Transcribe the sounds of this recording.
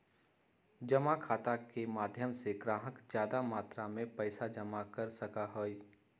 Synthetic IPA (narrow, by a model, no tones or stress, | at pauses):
d͡ʒɐmakʰaːt̪akemaːd̪ʱjəmseɡɾãːɦəkd͡ʒjaːd̪amaːt̪ɾamẽpɛɪsad͡ʒɐmakɐɾsɐkaɦoːi